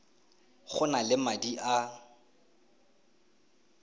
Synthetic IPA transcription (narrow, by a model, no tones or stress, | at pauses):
χʊnalɪmadiʔa